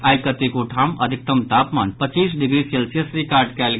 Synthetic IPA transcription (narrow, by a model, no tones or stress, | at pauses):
aːjkət̪ikoʈʰamə̰d̪ʱik̚t̪əmt̪apma̰npət͡ʃiːsɖiɡɾiselsjəsɾikaːɾɖkɛl